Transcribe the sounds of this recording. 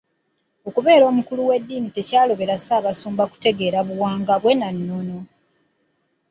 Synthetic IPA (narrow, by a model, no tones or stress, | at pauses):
okuβe̞ːɾo̞ːmukuluwe̞dːiːnite̞caːlo̞βe̞ɾasaːβasuːmbaku̥te̞ɡe̞ːɾaβuwaːŋɡaβwe̞nanːo̞no̞